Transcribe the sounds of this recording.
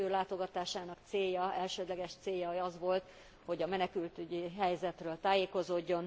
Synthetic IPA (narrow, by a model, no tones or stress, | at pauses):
øːlaːt̪o̞ɡɒt̪aːʃaːnɒkt̪seːjːɒɛlʃøːd̪lɛɡɛʃt̪seːjːɒɒzʋo̞lt̪ | ho̞ɟɒmɛnɛkylt̪yɟiɦɛjzɛt̪røːlt̪aːjeːko̞zoːɟːo̞n